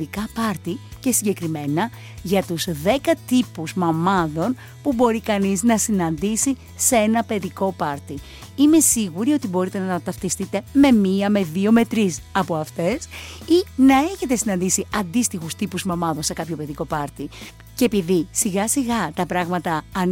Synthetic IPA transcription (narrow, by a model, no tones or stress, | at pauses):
ikɐpɐɾt̪ice̞siɲɟe̞kɾime̞nɐ | ʝɐt̪uzðe̞kɐt̪ipuzmɐmɐðo̞n | pubo̞ɾikɐniznɐsinɐnd̪isi | see̞nɐpe̞ðiko̞pɐɾt̪i | ime̞siɣuɾio̞t̪ibo̞ɾit̪e̞nɐɐt̪ɐft̪ist̪it̪e̞me̞miɐme̞ðio̞me̞t̪ɾisɐpo̞ɐft̪e̞sinɐe̞çe̞t̪e̞sinɐnd̪isiɐnd̪ist̪ixust̪ipuzmɐmɐðo̞nse̞kɐpço̞pe̞ðiko̞pɐɾt̪i | cepiðisiɣɐsiɣɐt̪ɐpɾɐɣmɐt̪ɐːn